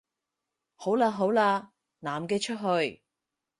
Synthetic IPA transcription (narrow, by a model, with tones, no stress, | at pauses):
ho˨˥wlaː˧ɦo˨˥wlaː˧ | naː˨˩mkɛː˧t͡ʃʰɵ˥t̚ɦɵ˧ɥ